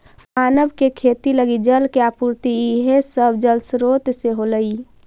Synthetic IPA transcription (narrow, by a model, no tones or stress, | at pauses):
maːnəbkekʰeːt̪iləɡid͡ʒəlkeapuɾt̪iiɦesəbʱd͡ʒəlsɾoːt̪seɦoləi